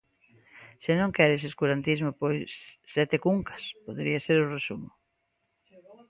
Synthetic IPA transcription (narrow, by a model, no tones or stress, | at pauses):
senõŋkɛɾes̬eskuɾant̪izmopojsːɛt̪ekuŋkɐ̥spoðeɾiaseɾʊresumʊ